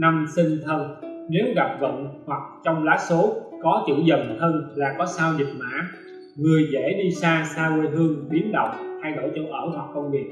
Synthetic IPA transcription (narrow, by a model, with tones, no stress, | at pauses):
na˧msï˧ŋ̟t̪ʰə˧nne˨˦wɣa˨˩p̚və̰˧˨nhwa˨˩k̚t͡ɕɔ˧wŋ͡mlaː˨˦˥so˨˦kɔ˨˦t͡ɕɨ̰˧˨zə˨˩nh̪ʰəː˧nlaː˨˩kɔ˨˦saː˧wzi˨˩t̚ma̰ː˧˥ | ŋɨ˨˩əjzḛ˧˥ɗi˧saː˧saː˧wwe˧jɦɨ˧əŋɓi˨˦ənɗə̰˨wŋ͡mt̪ʰa˧jɗo̰˧˩jt͡ɕə̰˧˦ʔəː˧˩h̪wa˨˩k̚ːɔ˧nvi˨˩ət̚